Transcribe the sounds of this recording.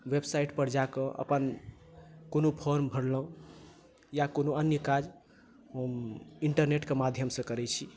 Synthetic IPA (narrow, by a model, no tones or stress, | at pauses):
websaiʈpəɾd͡ʒakə̃ʔə̰pən | konopʰoɾmbʱəɽlə̃ | jakonoənjəkad͡ʒ | ɦəmiɳʈəɾneʈkemad̪ʱjəmsə̃kəɾɛt͡ʃʰi